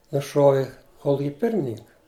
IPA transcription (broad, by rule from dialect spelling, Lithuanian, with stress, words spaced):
nʊˈʃuɔʋʲɪ ˈkoːlˠʊkʲɪ ˈpʲɪrʲmʲɪnʲɪŋkɐ